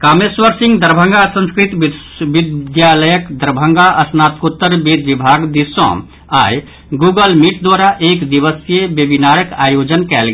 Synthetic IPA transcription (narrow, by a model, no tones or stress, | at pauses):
kameswəɾsĩŋɡd̪əɾbʱə̃ŋɡasə̃nskɾit̪ | ʋid̪jaləjəkd̪əɾbʱə̃ŋɡaʔəsnat̪kut̪ːəɾbed̪ʋibʱaɡd̪isɔ̰̃ | a̰j | ɡuɡəlmiʈd̪waɾaʔekd̪iʋəsjebjəbinaɾəkajod͡ʒənkɛːlɡ